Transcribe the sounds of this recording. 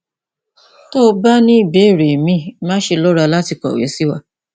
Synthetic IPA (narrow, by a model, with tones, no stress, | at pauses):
to˦ba˦nĩ˦i˦˨be˨˦˨ɾe˨mĩ˦˨mãː˦ʃe˧lɔ˦ɾa˧la˦ti˧kɔ̰˨wḛ˨˦si˦wa˦